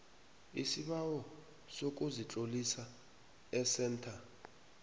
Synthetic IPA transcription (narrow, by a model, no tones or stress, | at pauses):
isiɓawɔ | sok̬ʼuzit͡ɬʼolisa | ɛsɛːntʰa